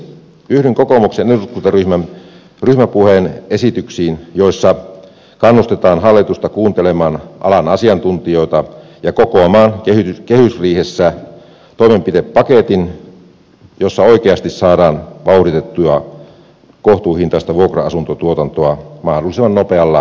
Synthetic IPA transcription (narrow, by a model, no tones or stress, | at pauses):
yhdeŋkokomukseneuskut̪ɑryhmæm | ryhmæpuheːnesit̪yksiːnjo̞isːɑ | kɑnːust̪et̪ɑːnɦɑlːit̪ust̪ɑkuːnt̪elemɑːnʔɑ̰lɑnɑsiɑnt̪unt̪ijo̞it̪ɑ | jɑkokoɑmɑːnkehykehysriːhesːæ | t̪oimempit̪epːɑket̪in | josːɑoikeɑst̪issɑːdɑːnʋɑuhɾit̪et̪ːuɑ | koht̪uːhint̪ɑˑest̪ɑʋuokrɑɑsunt̪ot̪uot̪ɑnt̪oɑmɑhdolːˑisemːɑnːopeɑlːɑ